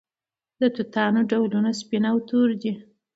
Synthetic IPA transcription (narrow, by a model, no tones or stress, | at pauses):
d̪ət̪ut̪ɑnoɖawlunaspinawt̪uɾd̪i